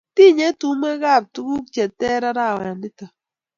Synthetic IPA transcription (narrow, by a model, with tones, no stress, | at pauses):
ti˦˨ɲe˦tu˦ma˦ɣa˦˨b̚tu˦ɡu˦k̚t͡ʃɛ˨tɛ˦ɾa˦ɾa˦˨wa˨a˨ndi˦ta˨